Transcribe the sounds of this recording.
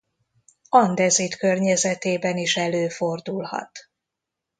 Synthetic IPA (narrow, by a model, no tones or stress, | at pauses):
ɒnd̪ɛzit̪kørɲɛzɛt̪eːbɛniʃɛløːfo̞rd̪ulhɒ̰t̪